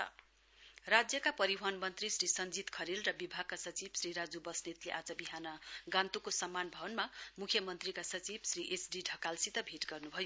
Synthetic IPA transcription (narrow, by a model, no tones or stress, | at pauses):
rad͡zjʌkapʌɾiɦanmʌnt̪risrisʌnd͡zit̪kʰʌɾilrʌbibʱaɡ̚kasʌt͡sibsriɾad͡zubʌsnet̪leʔad͡zʌbiɦanʌɡãnt̪ukosʌmːanbʱʌbʌnmamukʰjʌmʌnt̪rikasʌt͡sibsriʔesɖiɖʱʌkalsit̪ʌbʱiʈɡʌrnubʱʌjo